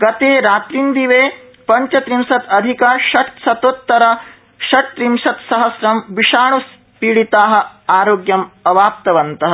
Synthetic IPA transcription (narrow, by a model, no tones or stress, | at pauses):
ɡɐt̪eːɾaːt̪ɾind̪iʋeː | pɐɲt͡ʃɐt̪ɾimʃɐt̪ɐd̪ʱikɐʃɐʈsɐt̪oːt̪ːɐɾɐ | ʃɐʈ̚ɾimʃɐt̪sɐɦɐsɾɐmʋiʃaːɳus | piːɽit̪aːɦɐ̆aːɾoːɡjɐmɐʋaːp̚t̪ɐʋɐnt̪ɐɦɐ